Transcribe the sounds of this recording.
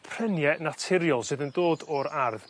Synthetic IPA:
pʰr̥ɛnjɛnatʰɪɾjɔlˠsɨðəndoːdɔɾarð

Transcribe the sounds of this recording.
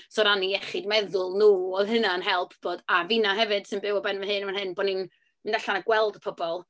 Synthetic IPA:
sɔɾaniɛχɪdmɛðʊlˠnuːɔðɦɨnaənɦɛlˠpʰb̥oːdavinaɦɛvɨd̥sɪnbɪwɔbɛnvəhɦɨːnəmanɦɨnbɔːdnin | mɨndaɬanaɡ̥wɛlˠdəpʰɔbɔlˠ

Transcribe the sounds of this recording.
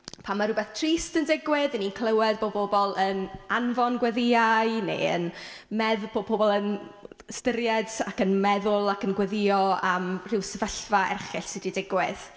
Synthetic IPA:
pʰamːaɾʊbɛθtʰriːstəndɪɡwɪðəninkʰlˠəwɛd̚boːboːbɔlˠənanvɔnɡwɛðɪajnḛə̰nmɛðb̥oːb̚bʰoːbɔlˠən | stəɾjɛdakənmɛðʊlˠakənɡwɛðɪɔamr̥ɪwsəvəɬvaɛ̰rχɪɬsɨdidɪɡwɪð̥

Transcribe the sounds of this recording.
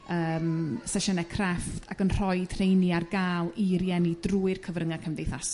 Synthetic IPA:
əːmsɛʃɔnɛkʰrɛftʰaɡənr̥ɔɨd̥r̥ejniarɡaːlˠiɾjɛnidruːɨrkʰəvrəŋakʰəmdejθas

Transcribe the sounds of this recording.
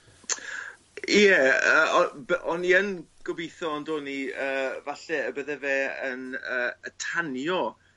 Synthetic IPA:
ɛəːɔbəʔɔnːiənɡ̥ɔbejθɔːndoːniəːvaɬɛəbəðɛvɛːənəːətʰanjɔ

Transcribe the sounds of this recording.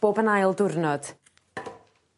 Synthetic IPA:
b̥oːbənajlˠdʊrnɔd̥

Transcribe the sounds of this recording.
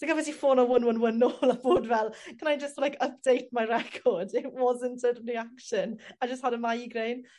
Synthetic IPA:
d̥əɡəvɛsifoːnɔwənwənwənoːlˠaboːdvɛlˠkʰənajd͡ʒəstlajkʰəp̚d̥ejt̚majɾɛkʰɔdɪʔwɔzə̃ntʰəriakʃənajd͡ʒəst̚hadəmajiɡrejn

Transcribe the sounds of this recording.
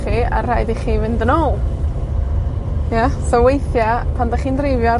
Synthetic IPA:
χia̰rajdiχiːvɨndənoːlˠ | jasɔwejθjapʰandaχiːndrejvjɔ

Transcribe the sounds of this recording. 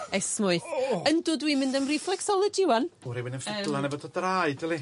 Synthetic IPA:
ɛsmʊɨθəndʊdwimɪ̃ndəmriflɛksɔlˠəd͡ʒɪwanuɾiwɪnənfɪlˠanɛbɔtʰɔdrajdilˠi

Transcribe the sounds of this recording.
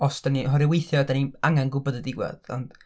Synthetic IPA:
ɔsd̥aniɦɔɾɪwejθjɔdaniaŋanɡʊbɔdədɪɡwɛ̰ðɔ̰nd̥

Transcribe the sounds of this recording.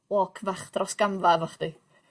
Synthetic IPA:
wɔkʰvaχd̥rɔsɡ̥amvavaχd̪̥i

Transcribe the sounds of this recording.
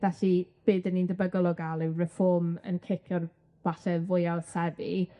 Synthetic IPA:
d̥asib̥ɨːdənindəbəɡɔlˠɔɡalˠɪwrɛfɔmə̰nkʰɪkʰjɔr | b̥aɬɛvʊjasɛbi

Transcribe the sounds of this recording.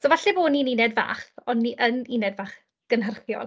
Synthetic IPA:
soːvaɬɛboːnininɛdva̰ːχɔnːiʔəninɛdvaːχ | ɡ̥ənhərθjɔ̰lˠ

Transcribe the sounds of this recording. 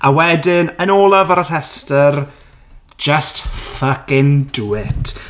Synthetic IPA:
ʔawɛdɪnənoːlˠəvəɾətɛstər | d͡ʒəstfəkɪnduɪtʰ

